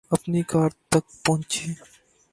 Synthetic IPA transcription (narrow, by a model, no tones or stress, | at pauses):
ɐpnikaːɾt̪ɐk̚pɔ̃ɦt͡ʃiː